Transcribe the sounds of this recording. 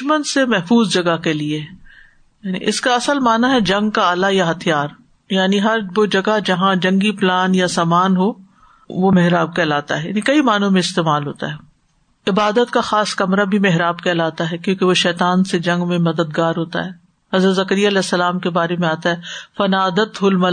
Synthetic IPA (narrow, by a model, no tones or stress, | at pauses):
ʃmənsemɛɦfuːzd͡ʒɐɡakelie | jaːnḭʔɪ̰skaɐsəlmaːnaɦɛd͡ʒɐ̃ŋɡ̚kaaːlajaɦɐt̪ʰijaːɾ | jaːniɦɐɾʋod͡ʒɐɡad͡ʒɐɦãd͡ʒɐ̃ŋɡiplaːnjasaːmaːnɦoː | ʋomeɦɾaːb̚kɛːlaːt̪a̰ɦɛja̰ːnikɐimaːnõmẽɪst̪eːmaːlɦo̰ːt̪a̰ɦɛː | ɪbaːd̪ət̪kaxaːskɐmɾabʱimeɦɾaːbkɛlaːt̪aɦɛkjõːkeʋoʃɛːt̪aːnsed͡ʒɐ̃ŋɡmẽmɐd̪əd̪ɡaːɾɦoːt̪a̰ɦɛː | ɦɐzɾət̪zɐkəɾijaɐlɛːsːɐlaːmkebaːɾemẽaːt̪aɦɛfɐnaːd̪ət̪ɦʊlmɐ